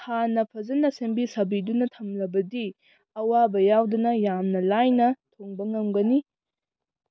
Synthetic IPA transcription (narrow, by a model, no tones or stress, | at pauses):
hanɐpʰɐzɐnɐsembisɐbidunɐtʰɐmlɐbɐdi | ɐwabɐjawdɐnɐjamnɐlajnɐtʰoŋbɐŋɐmɡɐni